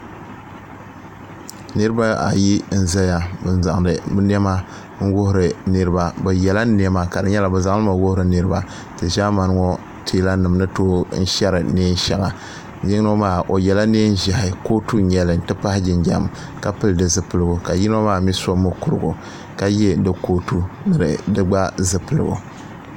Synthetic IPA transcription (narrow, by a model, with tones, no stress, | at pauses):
nɨ˦ɾɨ˦ba˦a̰˨ji˦n̩˦za˦ja˨bɨ˦n˦za˨ŋ˨dɨ˨bɨ˦n˦ɛ˦ma˦ | ŋ̩˦wʊ˦hʊ˨ɾɨ˨nɨ˦ɾɨ˦ba˦bɛ˨jɛ˨la˦n˦ɛ˦ma˨ka˨dɨ˨ɲɛ˦la˨bɛ˨za˦ŋ˦lɨ˦ma˨wʊ˦hʊ˦ɾɨ˨nɨ˦ɾɨ˦ba˦ | tɨ˨ʒa˦ma˨n˦ŋɔ˦ | tʰeː˦la˦nɨ˨m˦nɨ˦toː˦n̩˦ʃɛ˦ɾɨ˨neː˦n˦ʃɛ˨la˨ | jɪ˦ŋ˦o˦maː˦ʔo˨jɛ˨la˦ne˦n˦ʒa˨hɪ˨ko˦tu˦ɲɛ˨lɨ˨n̩˨tɨ˦pa˦hɪ˦d͡ʒɪ˨nd͡ʒa˦˨m | ka˦pɨ˦ldɨ˨zɨ˨pɨ˦lɨ˦ɡʊ˨ka˨ji˦n˦a˦maː˦˨˦mi˦so˦mːo˦ku˨ɾɨ˨ɡʊ˨ | ka˨jɛ˦dɨ˨koː˦tu˦nɨ˨ɾɨ̰˨dɨ˦ɡ͡ba˦zɨ˦pɨ˨lɨ˨ɡʊ̰˨